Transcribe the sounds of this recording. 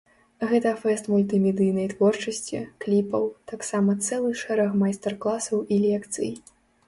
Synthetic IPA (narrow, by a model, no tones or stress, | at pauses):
ɣɛt̪ɐfɛst̪mulʲt̪ɨmʲɛd̪ɨjnɐjt̪vɔrt͡ʂɐsʲt͡sʲḭklʲipɐwt̪aksamɐt̪sɛlˠɨʂɛɾɛxmajst̪ɛrklˠasɐwilʲɛkt̪sɨ̰j